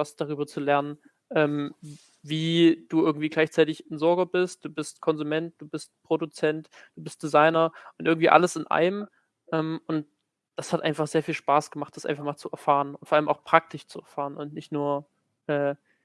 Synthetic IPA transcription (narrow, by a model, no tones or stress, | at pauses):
vasd̥aʁ̞yːbɐt͡sulɛɐnən | ʔɛːm | viːd̥uːʔɪɐɡŋ̩tv̥iːɡlaɪçt͡saɪtɪçnzɔɐɡɐbɪst̚d̥uːbɪstkʰɔnzumɛnt̚d̥uːbɪst̚pʁ̥odut͡sɛnt | d̥uːbɪst̚d̥izaɪnɐʔʊntɪɐɡŋ̩tv̥iːʔa̰ləsɪnʔa̰ɪəm | ʔɛːmʔʊnt̚ | d̥ashatʔa̰ɪnfaχz̥eːɐfiːlʃpaːsɡ̥əmaχt̚d̥asʔa̰ɪnfaχmaːlt͡suɛɐfaːʁənʊntfɔːɐʔaləmʔaʊxpʁ̥ak̚tʰɪʃt͡suɛɐfaːʁənʊntnɪçtnuːɐ | ʔɛː